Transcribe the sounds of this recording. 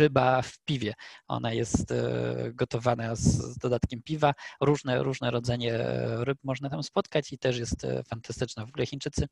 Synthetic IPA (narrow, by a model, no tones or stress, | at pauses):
ɘbafpʲivʲjɛɔ̰najɛst̪ɡɔt̪ɔvanazd̪ɔd̪at̪kʲɛmpʲivaɾuʐnɛɾuʐnɛɾɔd̪zɛɲɛɾɘpmɔʐnat̪amspɔt̪kat͡ɕit̪ɛʂjɛst̪fant̪ast̪ɘt͡ʂnavɔɡulɛxʲint͡ʂɘt̪sɘ